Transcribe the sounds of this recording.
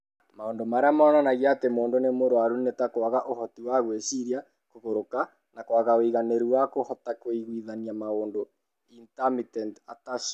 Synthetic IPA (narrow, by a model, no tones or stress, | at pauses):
maondomaɾeamɔːnanaɣiatemoːndonemoɾwaɾunetakowaɣaʔohɔtiwaɣweɕiɾia | koɣoɾoka | nakwaɣaoiɣaneɾuwakohɔtakoiɣwiðaniamaoːndo | intamitɛntataʃ